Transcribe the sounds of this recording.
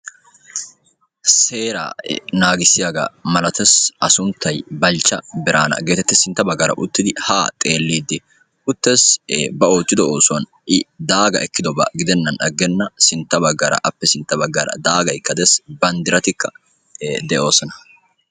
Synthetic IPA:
se̞ːɾa̰ːnaːɡɪsːɪjaɡa̰mɐlɐt̪ɛsʔɐsʊnt̪ʰːɐjbɐlt͡ʃːɐbɪɾʔaːnɐ̰ɡe̞ːt̪ɛt̪ːɪsɪnt̪ːɐbɐɡːɐɾɐ̰ʔʊ̰t̪ːɪd̪ɪhaːt̪ʼeːlːiːd̪ːɪ | ʔʊt̪ːɛsbɐo̞ːt͡ʃʼːɪd̪ɔoːsʊwɐn | ʔɪd̪aːɡɐ̰ʔɛkːɪd̪ɔbɐ̰ɡɪd̪ɛnːɐnᶑɐɡːɛnːɐsɪnt̪ːɐbɐɡːɐːɾɐ̰ʔɐpːɛsɪnt̪ːɐbɐɡːɐɾɐ̰d̪aːɡɐjkːɐd̪ɛsbɐnd̪ɪɾɐt̪ɪkːɐ | d̪ɛʔo̞ːsɔnɐ

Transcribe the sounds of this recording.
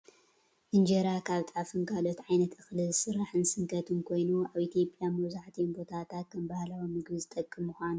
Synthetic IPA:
ʔɨnd͡ʒeɾakʰaβt̪ʼafɨŋkʰalo̞t̪ʕajnɐt̪ɨxlɨzɨsɨɾːaħɨnsɨŋkʰɐt̪ʰumkʰo̞jnuaβit̪ʰijo̞pʼjamɐβzaħt̪ʰinbot̪ʰat̪ʰat̪̚kʰɐmbahlawomɨɡbɨzɨt̪ʼɐkʼːɨmːuxʷanu

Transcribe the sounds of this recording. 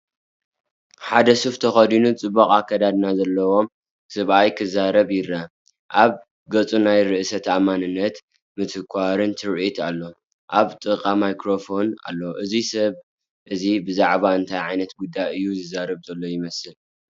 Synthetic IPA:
ħad̪ɐsuft̪ʰɐxɐd̪inut͡sʼɨbːɐkʼakʰːɐd̪ad̪nazɐlːɐwo̞m | sɨβʔajkʰɨzaɾɐβjɪɾa | ʔaβ | ɡɐt͡sʼunajɾɨʔɨsɐt̪ʰamanɨnːɐt̪ | mɨt̪ʰɨkʷʰaɾɨnt̪ʰɨɾʔit̪ʰalːo̞ | ʔaβt̪ʼɨqʼamajkɾofo̞na̰lːoʔɨzisɐβ | ʔɨzibɨzaʕβaɨnt̪ʰajʕajnɐt̪ɡud̪ːajɨjːuzɨzaɾɨβzɐlːo̞jɪmɐsɨl

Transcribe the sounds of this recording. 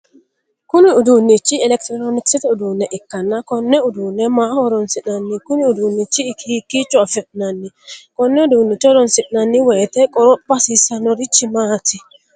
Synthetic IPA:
kuniudunit͡ʃːiɛlɛktɾɔɾɔniksitiudunɛʔikːanːakɔnːɛudunɛmahɔɾɔnsiɗanːikuniudunːit͡ʃiːkʰikit͡ʃɔafɛt̚nanːi | kɔnːɛudunit͡ʃɔɾɔnsitnanːiwɛtɛkʼɔɾɔbasisanɔɾit͡ʃːimatʰi

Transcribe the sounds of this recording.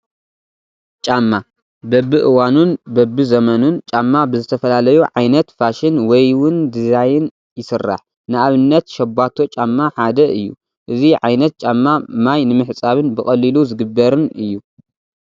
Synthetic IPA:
t͡ʃʼamːa | bɐbːɨʔɨwanunbɐbːɨzɐmɐnunt͡ʃʼamːabɨzɨt̪ʰɐfɐlalɐjuʕajnɐt̪faʃɪnwɔjwʊnd̪ɨzajɪn | jɪsɨrːa̰ħ | nɨaβɨnːɐt̪ʃɐbːat̪ʰo̞t͡ʃʼamːaħad̪ɐʔɨjːu | ʔɨziʕa̰jnɐt̪̚t͡ʃʼamːamajnɨmɨħt͡sʼaβɨnbɨxʼɐlːiluzɨɡɨbːɐɾɨnɨjːu

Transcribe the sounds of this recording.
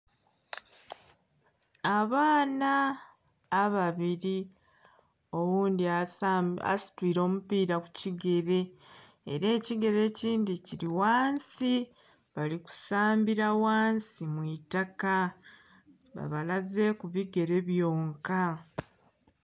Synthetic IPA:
aβaːnaː | βaβiɾi | o̞wuːndiaa̰si̥twiːɾo̞ːmupiːɾaku̥ciɡe̞ɾe̞̰ː | ɾe̞ːciɡe̞ɾe̞ːciːndiciɾiwaːnsi | βaliku̥saːmbiɾawaːnsimwitaka | βa̰βalaze̞kuβiɡe̞ɾe̞βjo̞ːŋka

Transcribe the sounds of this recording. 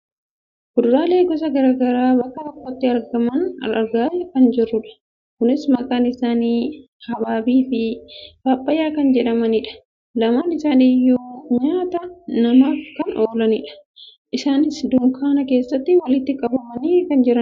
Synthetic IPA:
ɡʊd̪ɾaːle̞ːɡɔs̬ɐɡɐɾaːɡɐɾaːbɐkʼːɐt̪ɔkːot̪ːɪɐɾɡɐmɐnɐ̰ɾɐɾɡaːjɐkɐnd͡ʒɪrːʊᶑɐ̥ | kʊnɪsmɐkʼaːnɪsaːniː | hɐbaːbiːfɪb̥aːpʼːɐjaːkɐnd͡ʒɛᶑɐmɐnɪᶑɐ̥ | lɐmaːnɪsaːniːjuːɲaːt̪ɐnɐmaːfkɐnoːlɐnɪᶑɐ̥ | ʔɪsaːnɪsd̪ʊŋkʰaːnɐke̞ːsːɐt̪ːɪwɐlɪt̪ːɪkʼɐbɐmɐniːkɐnd͡ʒɪɾɐn

